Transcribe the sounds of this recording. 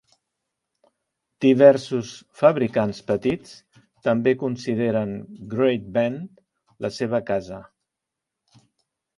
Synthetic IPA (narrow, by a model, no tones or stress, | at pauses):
d̪̥iβɛɾsusfəβɾikanspət̪it͡s | t̪əmbekunsiðeɾənɡɾejt̪̚bɛnt̪ | ləseβəkazə